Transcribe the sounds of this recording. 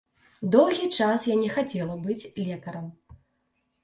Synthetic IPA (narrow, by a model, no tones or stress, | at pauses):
d̪ɔwɣʲit͡ʂasjanʲɛxat͡sʲɛlˠɐbɨt͡sʲlʲɛkɐɾɐm